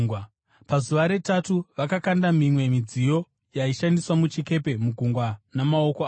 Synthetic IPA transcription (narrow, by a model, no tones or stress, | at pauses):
w | pazuʋaɾe̞tatuʋakakandamimwe̞mid͡zijo̞ | jaiʃandiswamut͡ʃike̞pe̞muɡʱuŋɡwanamao̞koaː